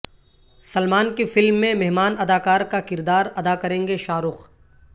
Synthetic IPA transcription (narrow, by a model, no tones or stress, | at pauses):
sɐlmaːnkefɪlmːẽmɛɦmaːnɐd̪aːkaːɾkakɪɾd̪aːɾɐd̪akɐɾẽːŋɡeʃaːɾʊːx